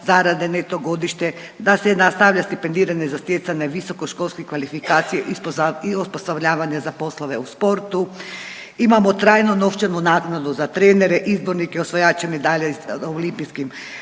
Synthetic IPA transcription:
zaɾad̪enet̪oɡo̞d̪iʃt̪e | d̪asɛnast̪aʋʎast̪ipend̪iːɾaɲezast̪jet̪saɲaʋisokoʃko̞lˠskikʋalifikaːt̪sijeʔispiospost̪avʎaːʋaɲazapo̞slˠoʋeuspo̞ɾt̪u | imamot̪ɾaːjnonoft͡ʃanunaknad̪uzat̪ɾeːneɾeʔizboɾnikɛosʋojat͡ʃemid̪aʎeolimpijskim

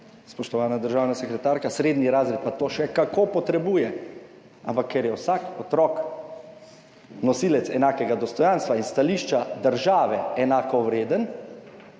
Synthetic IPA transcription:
spɔʃt̪ɔʋaːnad̪əɾʒaːwnasɛkɾɛt̪aːɾkasɾeːd̪niɾaːzɾet̪̚pat̪oːʃɛkakopɔt̪ɾɛbuːjɛ | ampakʰːɛɾjɛwsakɔt̪ɾɔk | nɔsiːlɛt̪sɛnaːkɛɡad̪ɔst̪ɔjanst̪ʋainst̪aliʃt͡ʃad̪əɾʒaːʋɛɛnaːkɔʋɾeːd̪ən

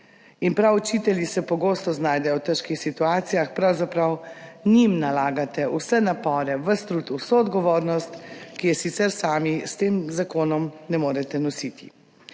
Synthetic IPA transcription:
inpɾawut͡ʃit̪ɛljisɛpɔɡoːst̪ɔznaːjd̪ɛjɔwt̪əɾʃkixsit̪uaːt̪sijaxpɾawzapɾawnimnalaːɡat̪ɛusɛnapɔːɾɛʋəst̪ɾut̪usoɔd̪ɡɔʋoːɾnɔst̪kijɛsit̪sɛɾsaːmist̪eːmzakoːnɔmnɛmoːɾɛt̪ɛnɔsit̪i̥

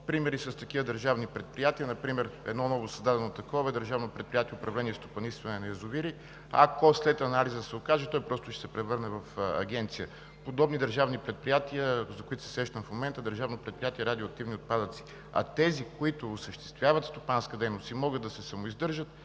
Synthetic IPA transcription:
pɾimɛɾisɐst̪ɐkivəd̪əɾʒavnipɾɛt̪̚pɾijat̪iənɐpɾimɛɾɛ̰d̪nɔnɔvosɐzd̪ad̪ɛnot̪ɐkɔvɛd̪əɾʒavnopɾɛt̪̚pɾijat̪ijɛʊpɾɐvlɛniɛst̪opɐnist̪vɐnɛnɐjɐzʊviɾi | ɐ̰koslɛt̪ɐnalizəd̪sɛʊkaʒɛt̪ɔjpɾɔst̪ʊʃɛ̥sɛpɾɛvɤɾnɛvɐfɐ̰ɡʲɛnt̪sijə | pod̪ɔbnid̪əɾʒavnipɾɛt̪̚pɾijat̪iəzɐkoit̪ʊ̥sɛsɾɛʃt̪əmfmomɛnt̪əd̪əɾʒavnopɾɛt̪̚pɾijat̪iɛɾad̪ioɐk̚t̪ivniot̪̚pad̪ət̪si̥ | ɐ̰t̪ɛzikʊit̪ʊːsəʃt̪ɛ̥st̪vʲjavɐt̪st̪opanskəd̪ɛjnost̪imɔɡəd̪ːɐsɛsɐmoizd̪ɤɾʒət̪̚

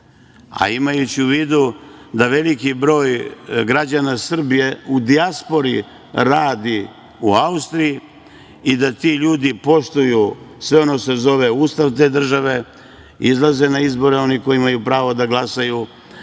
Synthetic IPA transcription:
a̰imajut͡ɕiuʋiːd̪ud̪aʋelikibɾo̞ːjɡɾad͡ʑanasr̩bije̞ud̪iaspo̞ɾi | ɾaːd̪i | uaust̪ɾiji | id̪at̪iʎuːd̪ipo̞ʃt̪ujusʋe̞o̞nose̞zo̞ʋe̞uːst̪aʋt̪̬e̞ːd̪r̩ʒaʋe̞ | izlˠaze̞naizbo̞ɾeo̞niko̞jiimajupɾaːʋo̞d̪aɡlˠasaju

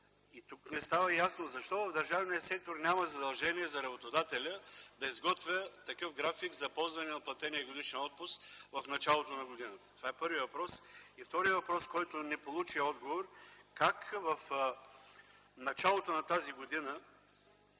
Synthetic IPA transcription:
it̪uknɛst̪avɐjasnozɐʃt̪ɔvɐvd̪ɐɾʒavnijəsɛk̚t̪oɾnʲaməzɐd̪ɐlˠʒɛniɛzɐɾɐbot̪od̪at̪ɛlʲəd̪ɐizɡɔt̪vʲət̪ɐkɤfɡɾafiɡzɐpɔlˠzvɐnɛnɐplˠɐt̪ɛniɛɡod̪iʃɛnɔt̪̚pʊsvɐfnɐt͡ʃalˠot̪onɐɡod̪inət̪ə̥t̪ovaɛpɤɾviəvɐpɾɔsift̪ɔɾiəvɐpɾɔskɔjt̪onɛpolˠut͡ʃiɔd̪ɡovoɾkakvɐf | nɐt͡ʃalˠot̪onɐt̪aziɡod̪inə

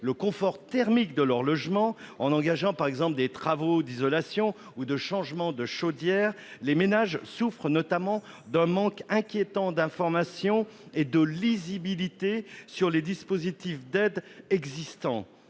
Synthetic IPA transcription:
ləkɔ̃fɔʁt̪ɛʁmikd̪əlœʁlɔʒmɑ̃ɑ̃nɑ̃ɡaʒɑ̃paʁɛɡzɑ̃pld̪et̪χavod̪izɔlasjɔ̃ | ud̪əʃɑ̃ʒmɑ̃d̪əʃod̪jɛːʁ | lemenaʒsufχənɔt̪amɑ̃ | d̪ɛ̃mɑ̃kɛ̃kʲjet̪ɑ̃d̪ɛ̃fɔʁmasjɔ̃ed̪əlizibilit̪esyʁled̪ispozit̪ifd̪ɛd̪ɛɡzist̪ɑ̰̃

